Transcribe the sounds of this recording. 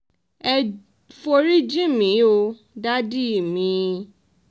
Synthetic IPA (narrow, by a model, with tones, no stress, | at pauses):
ɛ˧ | fo˧ɾi˦d͡ʒĩ˦mĩ˨˦o˧ | da˦di˦i˦˨mĩ˨˧˦